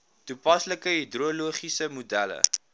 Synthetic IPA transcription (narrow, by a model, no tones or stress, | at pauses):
tupɐsləkəɦidruəluəχisəmudælə̰